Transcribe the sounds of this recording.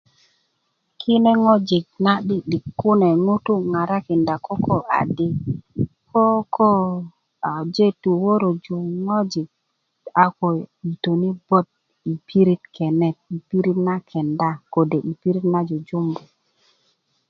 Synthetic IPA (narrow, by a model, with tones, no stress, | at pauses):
kʰi˦ne˦ŋɔ˦d͡ʒi˨k̚na˦ɗi˦ɗi˨kːu˦nɛ˨ŋu˦tu˦ŋa˨ɾa˦ki˨nda˨kɔ˦kɔ˦a̰˨di˦ | kɔ˦ko˦ | a˨d͡ʒe˦tu˨wo˦ɾo˨d͡ʒu˨ŋɔ˦d͡ʒi˨k̚ | a˨ko˨i˨to˨ni˦bɔ˦t̪̚ | i˨pʰi˦ɾi˦tkʰɛ˨nɛ˨t̚i˨pi˦ɾi˦tna˦kʰɛ˨nda˦ko˨de˨ʔi˨pi˦ɾi˦tna˦d͡ʒo˨d͡ʒu˦mbu˨